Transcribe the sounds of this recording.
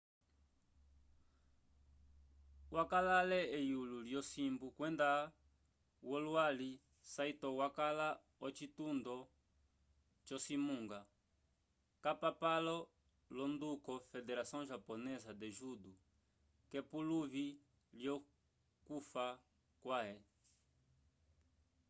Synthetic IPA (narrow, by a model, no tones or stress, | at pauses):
wakalalɛɛjululjɔsimbukwɛnda | wɔluali | saitɔwakala | ɔt͡ʃitund̪ɔ | t͡ʃɔsimuŋɡa | kapapalɔ | lɔnd̪ukɔfɛdɛɾasiɔ̃ŋʒapɔnɛzad̪ɛʒudu | kɛpuluvi | ljɔ | kufa | kwaɛ